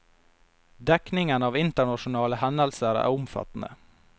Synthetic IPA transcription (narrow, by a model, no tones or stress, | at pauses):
d̪ɛknɪŋənɑːʋɪnt̪əɳɑʃʊnɑːləhɛnəlsəɾæ̰ːɾʊmfɑ̰t̪n̩ə̰